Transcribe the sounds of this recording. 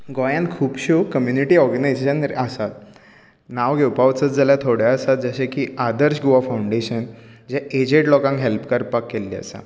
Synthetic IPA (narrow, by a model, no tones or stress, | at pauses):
ɡɔjãnkʰuːpɕukəmjuniʈiːɔɾɡənajzeɕənɾəsat̪ | naʋɡʱewpaʋt͡sət͡sd͡zaljat̪ʰoɽ̤jaəsat̪̚d͡zəɕẽkiːad̪əɾɕɡoʋafauɳɖeɕənd͡ʑɛ̃ed͡ʑeʈlɔkãŋkɦelpkəɾpakːelːiə̰sa̰